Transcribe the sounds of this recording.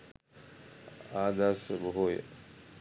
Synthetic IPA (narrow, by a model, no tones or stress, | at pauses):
aːd̪asboɦoj̰